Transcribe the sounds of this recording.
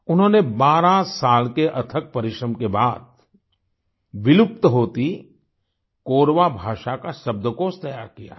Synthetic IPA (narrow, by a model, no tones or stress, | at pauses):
ʊnɦõːnebaːɾãsaːlkeʔɐt̪ʰək̚pɐɾɪʃɾəmkebaːd̪̚ | ʋɪlʊp̚t̪ɦoːt̪i | koːɾʋabʱaːʃakaʃɐb̚d̪əkoːst̪əjaːɾkija̰ː